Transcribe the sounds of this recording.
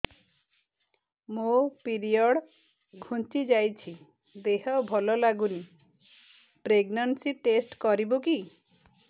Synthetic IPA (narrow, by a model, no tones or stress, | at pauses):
mopiɾiɔɽ | ɡʱunt͡ʃid͡ʒajt͡ʃʰi | d̪eɦɔbʱɔlɔlaɡuni | pɾeɡnansiʈesʈkɔɾiboki